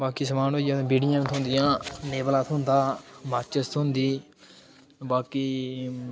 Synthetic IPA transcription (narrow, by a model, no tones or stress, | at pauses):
baːkiːsəmaːnoːjãːt̪ːbiːɖɪjãːt̪ʰʊ̃nd̪ɪjãːneːbəlãːt̪ʰʊnd̪aːmaːt͡ʃəst̪ʰɦʊ̃nd̪iː | baːkiː